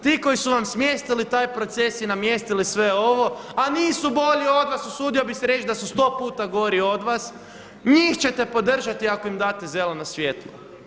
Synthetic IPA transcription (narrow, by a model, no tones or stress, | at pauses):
t̪iːko̞jisuʋamsmjest̪ilit̪aːjpɾo̞t̪se̞sinamjest̪ilisʋe̞o̞ʋo̞aniːsubo̞ʎio̞d̪ʋasusuːd̪io̞biseɾe̞t͡ʃd̪asust̪o̞ːpuːt̪aɡoɾio̞d̪ʋas | ɲixt͡ɕe̞t̪e̞po̞d̪r̩ʒat̪iako̞imd̪aːt̪eze̞lenosʋje̞ːt̪lˠo̰